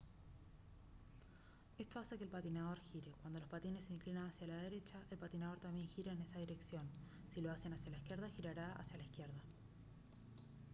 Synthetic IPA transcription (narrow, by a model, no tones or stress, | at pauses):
e̞st̪o̞ase̞kelpat̪inaðo̞ɾxiɾe̞kwand̪o̞lospat̪ine̞sːeiŋklinanasjalað̞e̞ɾe̞t͡ʃaʔe̞lpat̪inað̞o̞ɾt̪ambje̞ŋxiɾeːne̞sað̞iɾe̞ksjo̞n | silo̞ase̞nasjalaiskje̞ɾðaxiɾaɾaa̰sjalaihkje̞ɾð̞a